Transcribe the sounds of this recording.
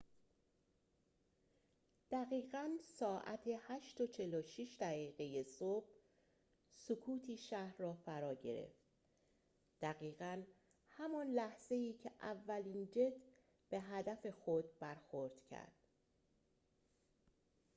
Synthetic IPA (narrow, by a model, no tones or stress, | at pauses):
d̪̥æɣiːɣænsɒːʔæ̰t̪ʰe̞hæʃt̪o̞t͡ʃʰe̞loʃiʃd̪æɣiːɣe̞jesob̥̚ | sokʰuːt̪ʰiːʃæhɾrɒːfæɾɒːɟe̞ɾḛft̪ | d̪̥æɣiːɣæn | hæmɒnlæhz̥e̞iːcʰeʔævːæliːnd͡ʒe̞d̪ | b̥e̞ɦæd̪æfe̞xod̪̚bæɾxoɾd̪̥cʰæ̰ɾd̪̥